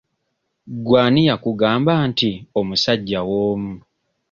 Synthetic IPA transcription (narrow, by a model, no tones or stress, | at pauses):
ɡwaːnijakuɡaːmbaːntiomusaɟːawoːmu